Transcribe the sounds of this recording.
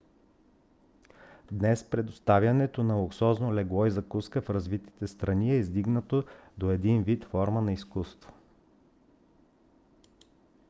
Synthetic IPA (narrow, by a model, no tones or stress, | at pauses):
d̪nɛspɾɛd̪ost̪avʲjɐnɛt̪onɐlˠʊksɔznolɛɡlˠɔizɐkuskəfɾɐzvit̪i̥t̪ɛst̪ɾɐniɛizd̪iɡnət̪od̪oɛd̪invit̪fɔɾmənɐiskust̪vo̥